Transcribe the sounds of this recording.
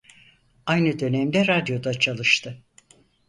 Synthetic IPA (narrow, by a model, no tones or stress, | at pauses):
ajnɯd̪ø̞nɛmd̪ɛɾad̪jo̞d̪at͡ʃʰalˠɯʃt̪ʰɯ